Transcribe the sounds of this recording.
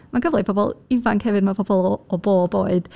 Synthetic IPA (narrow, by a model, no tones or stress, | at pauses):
maɡəvlˠɨpʰɔbɔ̰lˠɪvankʰhɛvɨd̚mapʰɔbɔlˠɔːboːboːɨd̥